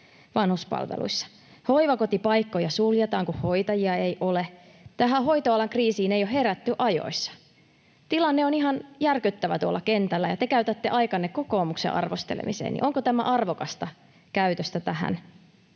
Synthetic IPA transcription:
ʋɑnhuspɑ̰lʋḛlṵisːɑ̥ | hoiʋɑkot̪ipɑikːojɑsuljɑt̪ɑːŋkuho̞it̪ɑjiɑejʔole | t̪æɦæɦo̞it̪oɑlɑŋkriːsiːnejohɦe̞ɾæt̪ːyʔɑjo̰isːɑ̥ | t̪ilɑnːeoniɦɑnjærkyt̪ːæʋæt̪uolːɑkent̪ælːæjɑt̪ekæyt̪æt̪ːeʔɑikɑnːekkoko̞ːmuksḛʔɑ̰rʋost̪ḛlḛmḭsḛːnʔḭʔo̞ŋkot̪æmæ̰ʔɑrʋokɑst̪ɑ | kæyt̪øst̪æt̪æhæ̰n

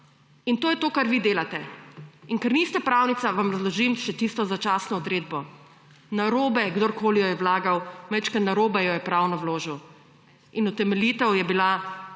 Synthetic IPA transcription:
int̪oːjɛt̪oːkaɾʋid̪eːlat̪ɛiŋkɛɾnist̪ɛpɾawnit̪saʋamɾazlɔʒimʃɛt̪ist̪ɔzat͡ʃaːsnɔɔd̪ɾeːd̪bɔ | naɾoːbɛɡd̪oɾkoːlijɔjɛwlaːɡawmɛt͡ʃkat̪naɾoːbɛjɔjɛpɾawnɔwloːʒiw | inut̪ɛmɛlit̪ɛwjɛbila

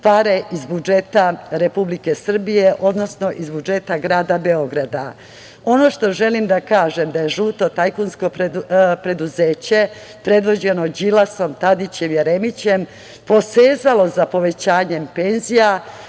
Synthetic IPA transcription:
paːɾeʔizbud͡ʒeːt̪aɾe̞publikesr̩bijeʔo̞d̪no̞sno̞ʔizbud͡ʒe̞t̪aɡɾaːd̪abe̞o̞ɡɾad̪a | o̞no̞ʃt̪o̞ʒe̞limd̪akaːʒemd̪aje̞ʒuːt̪o̞t̪ajkunsko̞ppɾe̞d̪uzeːt͡ɕe̞ | pɾe̞d̪ʋo̞d͡ʑe̞nod͡ʑilaso̞mt̪ad̪it͡ɕe̞mjeɾemit͡ɕe̞m | po̞seːzalo̞zapo̞ʋe̞t͡ɕaːɲe̞mpe̞nzija

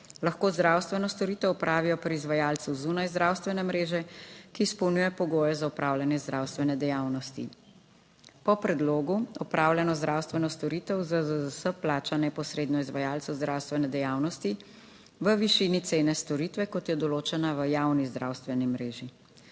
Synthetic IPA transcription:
laxkoːzd̪ɾawst̪ʋɛnɔst̪ɔɾiːt̪ɛwɔpɾʔaːʋijɔpɾizʋajaːlt̪suwzunajzd̪ɾaːwst̪ʋɛnɛmɾeːʒɛkiːspɔwnujɛpɔɡoːjɛzaupɾʔaːwlʲjanjɛzd̪ɾawst̪ʋɛnɛd̪ɛjaːwnɔst̪ḭ | pɔpɾɛd̪loːɡuɔpɾʔaːwlʲɛnɔzd̪ɾaːwst̪ʋɛnɔst̪ɔɾit̪ɛwzəzuzasəplaːt͡ʃanɛpɔsɾed̪nɔizʋajaːlsɔwzd̪ɾaːwst̪ʋɛnɛd̪ɛjaːwnɔst̪i | ʋəʋiʃiːnit̪seːnɛst̪ɔɾit̪ʋɛkɔt̪jɛd̪ɔloːt͡ʃɛnaʋəjawnizd̪ɾʔaːwst̪ʋɛnimɾeːʒi

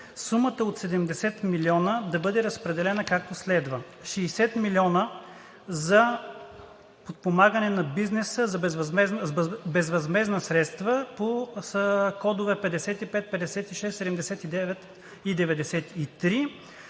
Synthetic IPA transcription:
sumət̪əot̪sɛd̪ɛmd̪ɛsɛt̪milʲiɔnəd̪ɐbɤd̪ɛɾəspɾɛd̪ɛlɛnəkak̚t̪oslɛd̪və | ʃɛːsɛt̪miliɔnə | zɐ | pot̪̚pomaɡənɛnɐbiznɛsəzɐbɛvɛznbɛzvɐzmɛznəsɾɛt̪st̪vəpo | kɔd̪ʊvɛpɛd̪ɛsɛt̪ipɛt̪̚pɛd̪ɛsɛt̪iʃɛst̪sɛd̪ɛmd̪ɛsɛt̪id̪ɛvɛt̪ | id̪ɛvɛd̪ɛsɛt̪it̪ɾi

